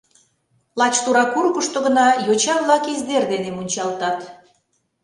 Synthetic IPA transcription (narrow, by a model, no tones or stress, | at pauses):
lɑt͡ɕt̪uɾɑkurkəʃt̪oɣə̆nɑjot͡ɕɑβlɑkizd̪erd̪enemunʲt͡ɕɑlt̪ɑt̪